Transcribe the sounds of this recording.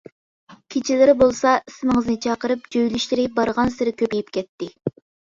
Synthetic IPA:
kʲʰet͡ʃʰilɪɾɪbolˠsɑisɪmɪŋəznɨt͡ʃʰɑqəɾɨp̚d͡ʒøjlyʃlɪɾɪbɑɾʁɑnsɪɾɪkʲʰøpejipkʲɛt̪ːɪ

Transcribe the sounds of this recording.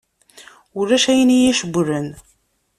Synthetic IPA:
ʊrːæʃæjənijæʃəɡʷɾən

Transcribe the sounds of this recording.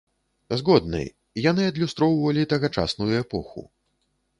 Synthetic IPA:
zɣɔd̪nɨ̰j | janɨɐd̪lʲust̪ɾɔwvɐlʲit̪ɐɣat͡ʂa̰snujuɛpɔxṵ

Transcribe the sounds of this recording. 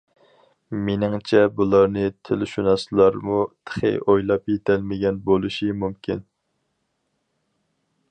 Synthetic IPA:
menɪŋt͡ʃʰɛbulˠɑɾnɨt̪ʰɪlʃunɑslˠɑɾmut̪ʰə̥χɨ̰ʔojlˠɑpjet̪ʰɛlmɪɡʲɛnbolˠuʃimumkʲʰin

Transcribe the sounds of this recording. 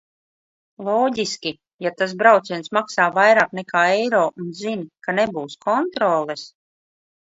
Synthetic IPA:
lˠɔːɟiskʲi | jat̪as̬bɾawt̪siɛnsmaksaːvajɾaːknɛkaːɛjɾɔːʔunzinkanebuːskɔnt̪ɾɔːlˠɛs

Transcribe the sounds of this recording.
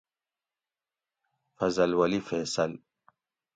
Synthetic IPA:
fɐzɐlwɐlifeːsɐl

